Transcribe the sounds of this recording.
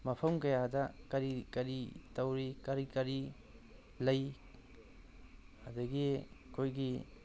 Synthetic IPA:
mɐpʰɐmkɐjadɐkɐɾikɐɾitawɾikɐɾikɐɾi | lɐj | hadɐɡikʰojɡi

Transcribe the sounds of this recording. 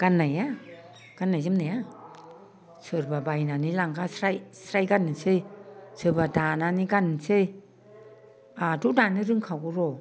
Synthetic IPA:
ɡ̥anːaja | ɡ̥anːajzɯmnaja | sɯɾbabajnanilaŋɡasɾajsɾajɡanɯsɯjsɯbadananiɡanɯsɯj | adudanɯɾɯŋkʰawɡuɾɔ

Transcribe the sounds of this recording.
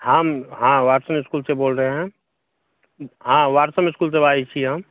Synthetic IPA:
həmɦãʋaːɾsəmɪskuːlseboːlɾəɦeɦɛ̃ | ɦãʋaːɾsəmɪskuːls̬ebaːit͡ʃʰiɦəm

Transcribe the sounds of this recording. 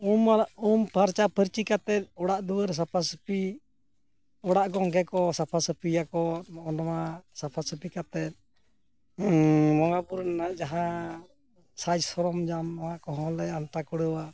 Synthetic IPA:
umumpaɾt͡ʃapʰəɾt͡ʃikat̪ɛt̪̚ɔɽaʔd̪uwəɾs̬apʰasəpi | ɔɽaʔɡɔŋɡɛkɔsapʰasəpʰijakɔmɔɔnɔmasapʰasəpikat̪ɛt̪̚ | mɔŋɡabuɾnanad͡ʒaɦã | sad͡ʒsɔɾɔmd͡ʒamahãkɔɦɔ̃lɛant̪akuɽəwa

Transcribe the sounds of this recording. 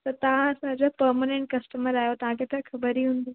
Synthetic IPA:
t̪ɐt̪ɐʋ̤ãɐsãd͡ʑopɐɾmaːnẽɳʈ̚kɐsʈəməɾaːjot̪ɐʋ̤ãkʰet̪ʰɐkʰɐbəɾiɦũːn̆d̪iː

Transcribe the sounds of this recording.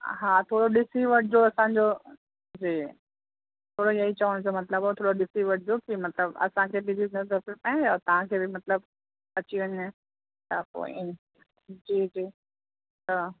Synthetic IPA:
ɦaːt̪ʰoːɽoɗɪsiʋɐʈʰɪd͡ʑoɐsãɲd͡ʑo | d͡ʑiː | t̪ʰoːɽojɐɦit͡ɕɐʋəɽ̃d͡ʑomɐt̪ləbɛt̪ʰoːɽoɗɪsiʋɐʈʰɪd͡ʑokimɐt̪ləbɐ̰sãkʰeːbɪd͡ʑinɐzəɾpepãat̪ɐʋ̤ãkʰeːbɪmɐt̪ləb̚ | ɐt͡ɕiʋɐɲẽ | t̪ɐko̰ːḭ | d͡ʑiːd͡ʑiː | t̪ɐ

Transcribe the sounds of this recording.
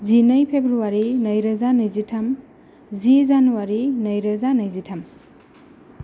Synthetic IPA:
zinɐjpʰebɾuwaɾinɐjɾɐzanɐjzitʰɐm | zizanuwaɾinɐjɾɐzanɐjzitʰɐm

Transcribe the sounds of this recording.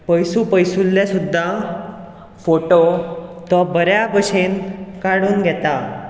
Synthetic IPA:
pəjsupəjsulːjasud̪ʱːa | foʈot̪ɔbəɾjabəɕenkaɽuːnɡʱɛt̪a

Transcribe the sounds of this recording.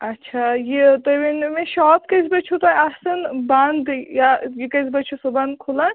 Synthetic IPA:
ɐtːʃʰajit̪ɐbinmẽʃɔːp̚kɐzbɐt͡ʃʰut̪ɔjɐsɐnbɐnd̪jajikɐzbɐt͡ʃʰusubɐnd̪̚kʰula

